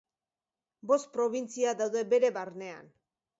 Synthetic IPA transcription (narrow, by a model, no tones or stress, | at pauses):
bo̞st̪̚pɾo̞β̞int͡siaðawðe̞be̞ɾe̞βaɾne̞a̰n